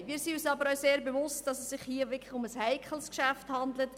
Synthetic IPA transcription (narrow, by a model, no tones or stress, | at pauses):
miːsiysɑːbəɾœseːɾbevʊst̚d̥ɑsɛsːɪχhiːəʋɪkʰlɪʊməshæɪkʰχəl̩skʃæfthɑnd̪lət